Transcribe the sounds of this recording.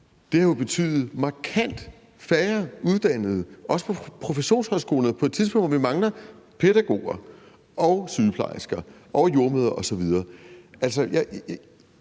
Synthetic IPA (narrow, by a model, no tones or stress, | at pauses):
d̥e̝hɑ̈jo̝b̥e̝t͡sʰy̰ːðˠð̩ˠmɑ̈kʰæn̰d̥ | fæɐuð̞ˠd̥æn̰ð̞̩ˠʔɒ̽sə̥pʰɒ̽pʰʁo̝feɕo̝̰ːnshɒ̽ðsɡ̥o̝̰ːln̩ˠpʰɒed̥̚t͡sʰiðˠpɔ̽ŋd̥ʋɒʋimɑ̈ŋlɐpʰe̝ɾ̥æɡ̥o̝̰ːɐ | ɒ̽syðˠpʰlɑ̰̈ɪsɡ̥ɐʔɒ̽jo̝ɐmøðˠɐʔɒ̽sɒ̽ʋiðˠɐːæl̰sɒjɑ